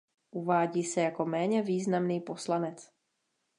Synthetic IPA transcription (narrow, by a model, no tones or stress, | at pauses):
ʔuvaːɟiːsɛjako̞mɛːɲɛviːznamniːpo̞slanɛt͡s